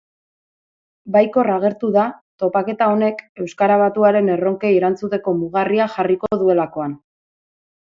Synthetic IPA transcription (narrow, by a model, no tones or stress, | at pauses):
bajko̞raɣ̞e̞ɾt̪uðat̪o̞pake̞t̪ao̞ne̞ke̞wskaɾaβ̞at̪uaɾe̞ne̞ro̞ŋkeiɾant͡sut̪e̞ko̞muɣariaxarikoðue̞lako̞an